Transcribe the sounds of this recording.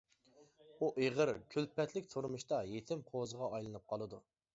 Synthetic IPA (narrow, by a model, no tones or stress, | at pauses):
uʔeʁəɾkʲʰylpɛt̪lɪkʲt̪ʰuɾmuʃt̪ɑjet̪ʰɪmqʰozəʁɑɑjlˠɨnɨp̚qʰɑlˠɨd̪u